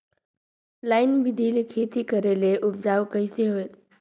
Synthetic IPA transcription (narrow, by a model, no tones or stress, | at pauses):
laːɪnbɪd̪ʱilikʰet̪ikəɾeleʔʊpd͡ʒaːʋkəiseɦoel